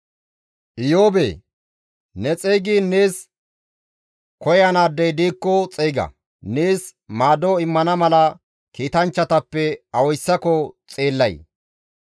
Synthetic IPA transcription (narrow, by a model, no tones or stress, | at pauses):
ʔɪjoːbḛː | nɛt͡sʼejɡiːnːeːs | kɔjɐnaːd̪ːɐjd̪iːkːɔt͡sʼeːjɡɐ̰ | neːsmaːd̪oːɪmːɐnɐmɐlɐ | kiːt̪ɐnt͡ʃːɐt̪ɐpːɛɐwɔjsːɐkɔt͡sʼe̞ːlːɐj